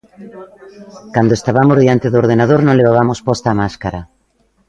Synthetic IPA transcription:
kand̪oest̪aβamozðiant̪eðooɾð̞enað̞oɾnõŋleβaβamospɔst̪aːmaskaɾa

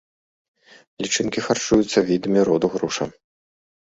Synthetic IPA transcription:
lʲit͡ʂɨnkʲixart͡ʂujut̪sːɐvʲid̪ɐmʲiɾɔd̪uɣɾuʂɐ̰

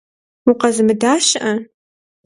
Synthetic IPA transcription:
ʊqɐzɨmɨdaːɕʔɐ

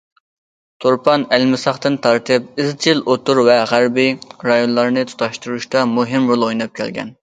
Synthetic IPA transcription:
t̪ʰoɾpʰɑnælmɪsɑχt̪ɨnt̪ʰɑɾt̪ʰɨp̚ɪzt͡ʃʰilʔot̪uɾvɛʁæɾbiɾɑjonlˠɑɾnɨt̪ʰu̥t̪ʰɑʃt̪uɾuʃt̪ɑmuɦɪmɾolˠojnɑp̚kʲʰɛ̰lɡʲɛ̰n

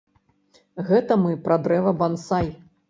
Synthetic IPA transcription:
ɣɛt̪ɐmɨpɾad̪ɾɛvɐbansaj

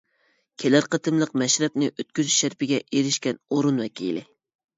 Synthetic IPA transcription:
kʲʰelæɾqət̪ʰɨmlˠəqmɛʃɾɛp̚nɪʔøt̪̚kʲyzyʃʃæɾpɪɡʲɛʔeɾɪʃkʲɛnoɾunwɛkʲḭlɪ̰

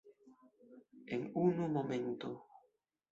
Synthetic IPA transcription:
eŋunumomẽnt̪o

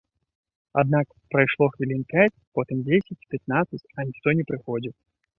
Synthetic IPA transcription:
ad̪nak | pɾɐjʂlˠɔxvʲɪlʲinpʲæt͡sʲpɔt̪ɨmd͡zʲesʲɪt͡sʲpʲɪt̪̚nat̪sɨt͡sʲɐnʲɪxt̪ɔnʲɛpɾɨxɔdʲit̪

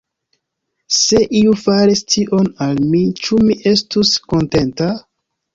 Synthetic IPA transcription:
se̞ʔiufaɾistiʔo̞nalmit͡ʃumiʔe̞stusko̞nte̞nta

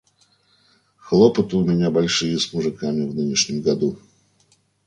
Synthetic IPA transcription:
xlˠopət̪əʊmʲɪnʲabɐlʲʂɨjəsmʊʐɨkamʲɪvnɨnʲɪʂnʲɪmɡɐd̪u

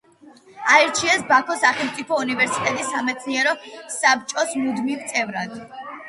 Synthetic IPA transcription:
aɛɾt͡ʃʰiɛsbakʰɔsaχɛlˠmt̪ʼipʰɔunivɛɾsit̪ʼɛt̪ʼisːamɛt̪sʰniɛɾɔsap̚t͡ʃʼɔsmud̪mivt̪sʼɛvɾad̪̥

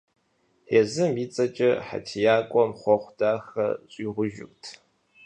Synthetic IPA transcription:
ħeːzɨmiːt͡sʼɐt͡ʃʼɐħa̰tʰijaːkʷʼɔmχʷɔχʷd̥aːxɐ̰ɕʼiːʁʷʊʒɪ̰ktʰ

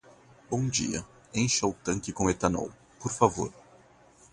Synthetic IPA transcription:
bõw̃d͡ʒḭɐ̰ | ẽj̃ʃɐwt̪ɐ̃ŋkɪkõet̪ɐnɔ̰w | poɾfavoɾ

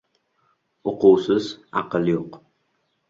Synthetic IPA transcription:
oquwsɪzɑ̰qəlˠjoq

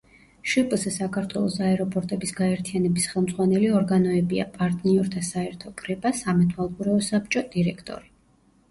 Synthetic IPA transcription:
ʃipʼˠzɛsakʰaɾt̪ʰwɛlˠɔsaɛɾɔpʼɔɾt̪ʼɛbisɡaɛɾt̪ʰijanɛbisχɛlˠmd̪zʁwanɛliɔɾɡanɔɛbia̰pʼaɾt̪ʼniɔɾt̪ʰasaɛɾt̪ʰɔkʼɾɛpʼasamɛt̪ʰwalˠkʼuɾɛɔsap̚t͡ʃʼɔd̪̥iɾɛkʰt̪ʼɔ̰ɾi

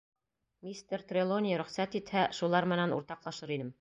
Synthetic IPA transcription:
mʲist̪eɾt̪rʲelˠonʲiɾɵ̆χsæt̪it̪hæʃulˠɑɾmɘ̆nænṵɾt̪ɑqlˠɑʃɤɾinɘm

